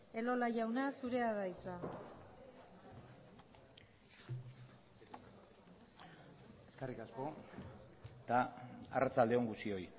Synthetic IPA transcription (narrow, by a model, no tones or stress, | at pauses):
e̞lo̞laʝawnasuɾe̞aðajt͡sa | eskarikasko̞ | t̪aa̰rat͡sald̪e̞o̞ŋɡusio̞j